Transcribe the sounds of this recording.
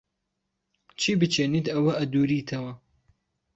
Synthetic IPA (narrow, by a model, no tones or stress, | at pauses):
t͡ʃʰiːbɨt͡ʃʰeːnit̪ɐwɐʔɐd̪uːɾiːt̪ʰɐwɐ